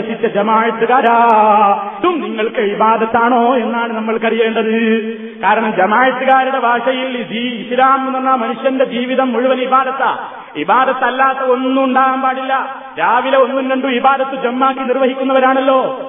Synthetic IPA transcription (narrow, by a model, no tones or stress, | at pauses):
ɐsit͡ɕːɐd͡ʑemaːjɐt̪ːuɣaːɾaː | t̪umniŋːɐɭkɨibaːd̪ɐt̪ːaːɳo̞ːe̞nːaːɳɨnɐmːɐɭkɐrijeːɳɖɐðɨ | kaːɾɐɳɐmd͡ʑemaːjɐt̪ːuɣaːɾuɽe̞bʱaːʂɐjiliislaːmenːonːaːmɐnuʂjɐnde̞d͡ʑiːʋiðɐmːuɻuʋɐnibaːd̪ɐt̪ːa̰ | ibaːd̪ɐt̪ːɐlːaːt̪ːɐo̞nːuuɳɖaːɣɐmpaːɽilːɐ | ɾaːʋileo̞nːunɾeɳɖuibaːd̪ɐt̪ːud͡ʑemːaːkːinirʋɐɦikʲːunːɐʋɐɾaːɳɐlːo̞ː